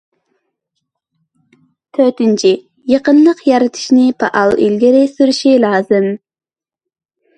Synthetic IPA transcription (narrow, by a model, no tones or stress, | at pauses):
t̪ʰøt̪ɪnt͡ʃʰi | jɑqənlˠəqjɑɾɨt̪ʰɨ̥ʃnɪpʰɑ̰ʔɑlˠḭlɡʲɪɾɪsyɾyʃilˠɑːzɨm